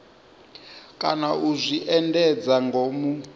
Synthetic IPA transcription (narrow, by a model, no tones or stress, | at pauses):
kʼanauzʷiʔɛndɛd͡zaŋɡomu